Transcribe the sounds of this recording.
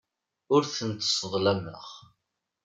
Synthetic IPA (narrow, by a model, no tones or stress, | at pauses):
ʊɾθənt̪ːsˤəðˤlæmə̰χ